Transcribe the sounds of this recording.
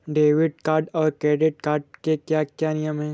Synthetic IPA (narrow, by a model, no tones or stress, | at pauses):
ɖeːʋɪɖkaːɾɖɔːɾkɾeːɖɪʈ̚kaːɾɖ̚kekjaːkjaːnɪjəmɦɛ̃ː